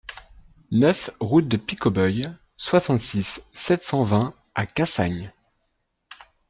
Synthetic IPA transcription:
nœfʁut̪̚d̪əpikɔbœj | swasɑ̃t̪sisːɛt̪sɑ̃vɛ̃ | akasa̰ɲ

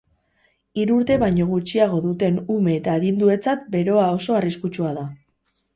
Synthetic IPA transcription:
iɾuɾt̪e̞βajɲo̞ɣ̞ut͡ʃiaɣ̞o̞ðut̪e̞nume̞ːt̪aːɣind̪ue̞t͡sat̪̚be̞ɾo̞ao̞so̞ariskut͡ʃuaða

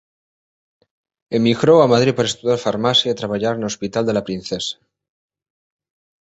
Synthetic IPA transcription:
emiɣɾowamað̞ɾipaɾaest̪uðjaɾfaɾmasjait̪ɾaβaʎaɾeno̞spit̪ald̪e̞lapɾinθesḁ

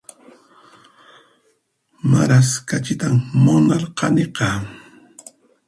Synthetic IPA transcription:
maɾaskat͡ʃɪt̪ammʊnaɾqʰɑ̰neqɑ

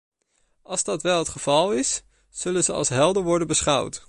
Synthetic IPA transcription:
ʔɑlˠzdɑtʋɛlˠɦətχəv̥ɑlˠɪs | z̥ɵlənzəɑ̰lˠsɦɛlˠdəɹʋɔɹdənbəsχɑ̰wt

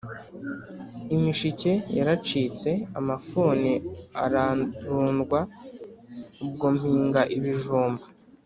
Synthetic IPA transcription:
imiʃice̞jaɾat͡ʃiːt͡se̞a̰mafuːnia̰ɾaɾuːnɡwa | ub̚ɡomhiːŋɡaʔiβiʒuːmbḁ

